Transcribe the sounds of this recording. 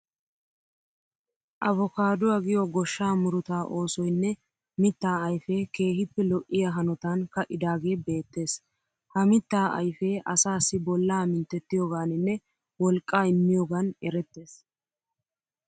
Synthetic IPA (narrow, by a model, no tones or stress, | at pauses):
ʔɐvɔkaːd̪ʊwaːɡɪjɔɡɔʃːaːmʊɾʊt̪aːʔo̞ːsɔjnːɛ | mɪt̪ːaːɐjfeːke̞ːɦɪpːɛlɔʔʔːɪjaɦɐnɔt̪ankɐʔɪd̪aːɡe̞ːbe̞ːt̪ːe̞ːs | hɐmɪt̪ːaːʔɐ̰jfeːʔɐsaːsːɪbɔlːaːmɪnt̪ːɛt̪ːɪjoːɡaːnɪnːɛ | wɔlkʼːaːɪmːɪjoːɡanɛɾɛt̪ːe̞ːs